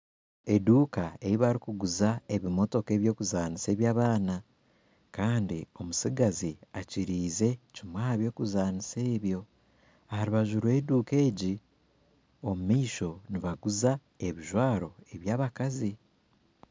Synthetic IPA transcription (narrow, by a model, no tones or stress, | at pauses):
e̞duːkae̞ɾiβaɾikuɡuzae̞βimo̞to̞ke̞ːβjo̞ːkuzaːnise̞ːβjaːβaːna | kaːndio̞musiɡaziaciɾiːze̞cimwaːβjo̞ːkuzaːnise̞ːβjo̞ | haɾiβaʒuɾwe̞duːke̞ːɟi | omumiʃo̞niβaɡuza | e̞βiʒwaːɾo̞e̞βjaːβakazi